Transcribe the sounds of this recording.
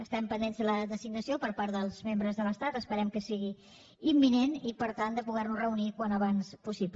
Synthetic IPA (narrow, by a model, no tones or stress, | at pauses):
əst̪ɛmpənd̪enzðələðəziɡ̚nəsiopəɾpaɾðəlˠzmembɾəzðələst̪at̪əspəɾɛmkəsiɣi | imːinenipəɾt̪and̪əpuɣɛrnuzrəunikwanəβanspusip